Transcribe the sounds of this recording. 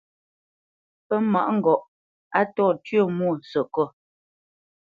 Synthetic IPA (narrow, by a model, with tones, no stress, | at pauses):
pɛ˦ma̰˨ʔŋ̩˨ɡɔ˨ʔ | a˦tɔː˦˨tɥə˦˨mu˦˨n̩˨sə˨kɔ˦˨